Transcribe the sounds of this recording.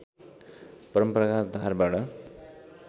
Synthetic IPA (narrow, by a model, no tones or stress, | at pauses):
pʌɾʌmprʌkard̪ʱaɾbaʈʌ